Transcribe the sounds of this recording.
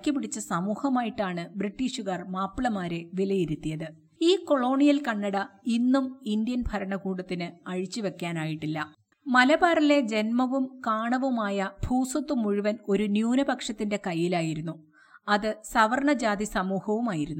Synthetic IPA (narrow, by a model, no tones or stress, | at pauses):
kʲːɐpːiɽit͡ɕːɐsɐmuːhɐmaːjiʈːaːɳɨbriʈːiːʂuɣɐrmaːpːiɭɐmaːɾe̞ʋilɐjiɾut̪ːijɐðɨ | iːko̞ɭo̞ːɳijɐlkɐɳːɐɽɐinːumind̪ijɐnbʱɐɾɐɳɐkuːɽɐt̪ːinɨɐɻit͡ɕːiʋe̞kʲːaːnaːjiʈːilːɐ | mɐlɐbaːɾile̞d͡ʑe̞nmɐʋumkaːɳɐʋumaːjɐbʱuːsɐt̪ːumuɻiʋɐno̞ɾunjuːnɐbɐkʂɐt̪ːinde̞kɐjːilaːjiɾunːu | ɐðɨsɐʋɐrɳɐd͡ʑaːd̪isɐmuːhɐʋumaːjiɾunːu